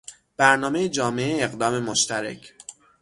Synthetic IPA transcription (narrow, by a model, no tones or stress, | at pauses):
b̥æɾnɒːme̞jed͡ʒɒːmeʔeːɣd̪ɒːme̞moʃt̪æɾḛcʰ